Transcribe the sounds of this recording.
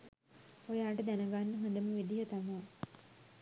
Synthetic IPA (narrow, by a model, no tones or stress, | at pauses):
ojaːʈəd̪ænɐɡanːəɦond̪əməʋed̪ijɐt̪ama